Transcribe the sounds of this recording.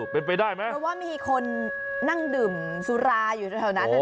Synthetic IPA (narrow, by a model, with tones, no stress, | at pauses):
pe˧npa˧jdaː˥˩jma˦˥ʔwaː˥˩miː˧kʰo˧nː | a˥˩ŋdɯː˨˩m | su˦˥ɾaː˧juː˨˩a˥˩a˨˩na˦˥˧